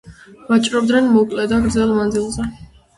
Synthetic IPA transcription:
vat͡ʃʼɾɔb̚d̪nɛnmɔkʼlɛd̪aɡɾd̪zɛlˠmand̪zilˠzɛ

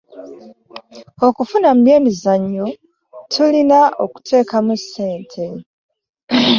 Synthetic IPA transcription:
o̞kufunamumje̞ːmizaɲːu | tʰulinaʔo̞ku̥tʰe̞ːkamusːe̞ːntʰe̞

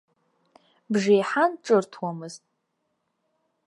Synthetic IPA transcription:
bʐejħanʈ͡ʂʼɨrtʰwamɨztʼ

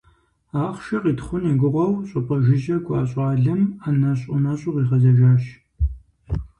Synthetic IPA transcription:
aːχʷʃɐʁiːtχʷʊneɡʷʊʁʷɐwɕʼʊpʼɐʒɪʒɐɡʷʰʼɑːɕʼɑːɮɨmanɐɕʼʊnɐɕʼʊʁiːʁɐzɐʒaːɕ

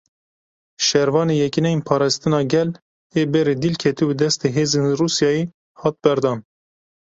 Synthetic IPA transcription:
ʃɛɾvɑːneːjɛkinɛjinpʰɑːɾɑst̪ɨnɑːɡɛl | eːbɛɾeːd̪ilkʰɛt̪iwud̪ɛst̪eːɦeːzenruːsjɑːje | hɑːt̪̚bɛɾd̪ɑːn

